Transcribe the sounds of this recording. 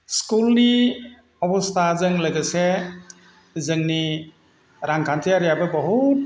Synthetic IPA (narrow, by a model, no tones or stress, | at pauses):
skulni | ɔbɔstʰazɯŋləɡɯse | zɯŋni | ɾaŋkʰantʰiaɾijabɯbɔɦut̚